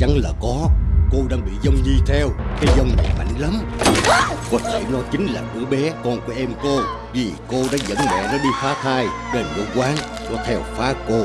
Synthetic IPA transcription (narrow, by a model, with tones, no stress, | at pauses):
t͡ɕa˨˦ŋlaː˨˩kɔ˨˦ko˧ɗaː˧ŋɓḭ˧˨zə˧wŋ͡mɲi˧t̪ʰɛ˧wkaː˨˦jzə˧wŋ͡mmɛ̰˧˩ma̰˧˨jŋ̟lə˨˦m | kɔ˨˦t̪ʰe˧˩nɔ˨˦jt͡ɕï˨˦ŋ̟laː˨˩kṵ˧˩əɓɛ˨˦kɔ˧nku˧˩əʔɛ˧mko˧ | vi˨˩ko˧ɗa̰ː˧˥zə̰˧˥nmɛ̰˧˨nɔ˨˦ɗi˧faː˨˦t̪ʰaː˧jɗe˨˩nkə˧wkwaː˨˦ŋ | kɔ˨˦t̪ʰɛ˧wfaː˨˦ko˧